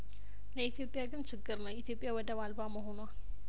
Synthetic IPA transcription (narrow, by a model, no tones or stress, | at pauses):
ləit̪ʰjo̞pʼːjaɡɨnt͡ʃʰɪɡːɨɾnəwit̪ʰjo̞pʼːjawɔd̪əβalbaməɦo̞noal